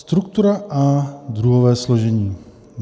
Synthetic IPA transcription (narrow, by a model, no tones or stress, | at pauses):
st̪ɾuk̚t̪uɾaʔad̪ɾuɦɔʋɛːslɔʒɛɲiː | n